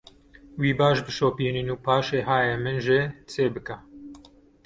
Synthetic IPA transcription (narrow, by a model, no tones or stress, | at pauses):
wiːbaːʃbɨʃoːpiːninuːpʰaːʃeːɦaːjemɨnʒɪt͡sʰeːbɨkɐ